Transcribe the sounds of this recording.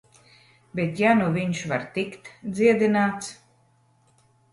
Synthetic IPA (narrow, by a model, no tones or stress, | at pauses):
bʲet̪januvʲiɲʃvaɾt̪ikt̪d̪ziɛd̪inaːt̪s